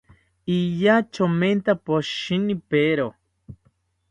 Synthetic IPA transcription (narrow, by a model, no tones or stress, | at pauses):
ijat͡ʃoment̪apoʃinipeɾo